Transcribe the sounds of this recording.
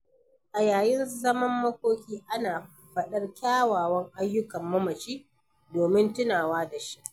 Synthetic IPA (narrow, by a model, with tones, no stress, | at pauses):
ʔa˨jaː˨jɪ˦nzɐ˦mɐ˦mːɐ˦kʷoː˦kʲiː˦ʔa˦naː˨ | ɸɐ˦ɗɐ˦rkʲaː˦waː˨wɐ˦ŋʔa˦jːʊ˦kɐ˨mːɐ˦mɐ˨t͡ʃiː˦ | doː˨mɪ˦ntʊ˦naː˨waː˦da˨ʃi̥˦ʔ